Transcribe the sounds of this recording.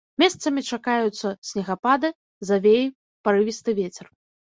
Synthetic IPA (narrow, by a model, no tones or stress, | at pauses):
mʲɛst̪sɐmʲit͡ʂakajut̪sːɐsʲnʲɛɣapad̪ɨ | zavʲej | paɾɨvʲist̪ɨvʲet͡sʲɛr